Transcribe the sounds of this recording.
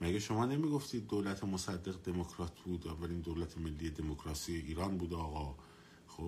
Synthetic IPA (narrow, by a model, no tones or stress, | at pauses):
mæɡeʃo̞mɒːne̞miːɡo̞ft̪iːd̪̚ːoːlæt̪ʰemosæd̪ːe̞ɣd̪e̞mokʰɾɒːt̪ʰbuːd̪ævːæliːnd̪owlæt̪ʰeme̞lːiːje̞d̪e̞mokʰɾɒːsijeʔiːɾɒːnbuːd̪eɒːɣɒː | xo